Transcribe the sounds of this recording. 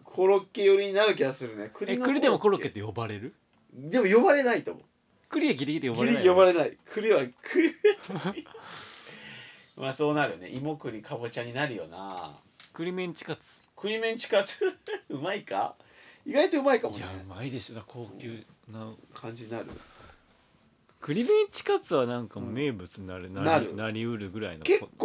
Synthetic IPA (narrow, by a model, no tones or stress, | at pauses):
kʰo̞ɾo̞kːe̞jo̞ɾʲiɲ̟inaɾɯ̟kʲiɡasɨɾɯ̟nekɯ̟ɾnokɯ̟ɾʲid̪e̞moko̞ɾokːet̪ːejo̞baɾe̞ɾɯ̟ | d̪e̞mo̞jo̞baɾe̞nait̪omo | kɯ̟ɾʲiaɡʲiɾʲiɡʲit̪ejobaɾeɾʲiajo̞baɾe̞naikʰɯ̟ɾʲiβakʰɯɾ | maːso̞ːnaɾɯ̟ne̞̰ʔimo̞kɯ̟ɾʲikʰabot͡ɕaɲ̟inaɾɯ̟jo̞̰na̰ | kɯ̟ɾʲimẽɲt͡ɕi̥kat͡sɨ̥ | kɯ̟ɾʲimẽ̞ɲt͡ɕi̥kat͡sɨɯ̟maika̰iɡait̪oɯ̟maikamɕaɯmaid̪e̞ɕod̪akʰoːkʲɨ | nakʰãɲ̟d͡ʑiɲinaɾɯ̟̰ | kɯ̟ɾʲimẽ̞ɲt͡ɕi̥kat͡sɨβanãŋkamme̞ːbɯ̟t͡sɨɲnaɾɯnanaɾɯ̟naɾʲiɯ̟ɾɯ̟ɡɯ̟ɾaḭnokekːo